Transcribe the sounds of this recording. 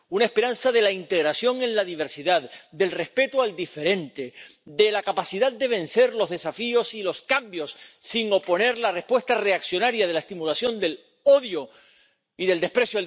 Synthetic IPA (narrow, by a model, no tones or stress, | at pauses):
unaespe̞ɾansaðe̞laint̪e̞ɣɾasjo̞ŋẽ̞nlaðiβ̞e̞ɾsiðaðd̪e̞lre̞spe̞t̪oald̪ife̞ɾe̞nt̪e̞d̪e̞lakapasiðaðd̪e̞β̞ẽ̞nse̞ɾlo̞zðe̞safio̞silo̞skambjo̞sːiŋo̞po̞ne̞ɾlare̞hpwe̞st̪are̞aksjo̞naɾjaðe̞laest̪imulasjo̞nd̪e̞l | o̞ðjo | iðeld̪e̞hpɾe̞sjo